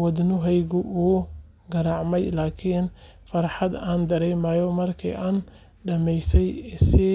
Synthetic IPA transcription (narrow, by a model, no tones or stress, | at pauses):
wɐd̪nʊɦɛjɣʊʔuː | ɡɐɾɑʕmɛjlaːkʰiːn | fɐɾħɑd̪aːnd̪ɐɾɛjmaːjɔmɐrkʰḭːʔaːn | ɖɐmɛjsɛjsɪ